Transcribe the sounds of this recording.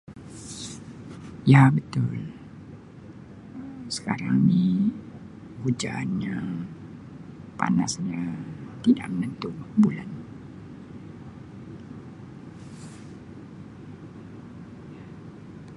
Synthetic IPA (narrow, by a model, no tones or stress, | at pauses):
jabət̪ʊl | əsə̥kaɾaŋni | hud͡ʒanɲa | pa̰na̰sɲat̪ida̰ʔmənənt̪ʊbula̰n